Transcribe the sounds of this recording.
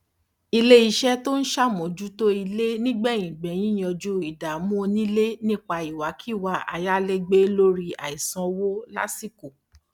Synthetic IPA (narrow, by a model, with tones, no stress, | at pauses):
i˧le˦i˦˧ʃɛ˦to˦n̩˦ʃa˦mõ˨d͡ʒu˦to˦i˧le˦nĩ˦ɡ͡bɛ̃˦˨ĩ˨ɡ͡bɛ̃˨j̃ĩ˦j̃ɔ̃˧d͡ʒu˦i˨da˨˦mũ˦o˧nĩ˦le˦nĩ˦k͡pa˧i˨wa˨˦ki˦˨wa˧˦a̰˨ja˦le˦ɡ͡be˦lo˦ɾi˧a̰˨i˨sɔ̃˨˦wo˦la̰˦si˦ko˨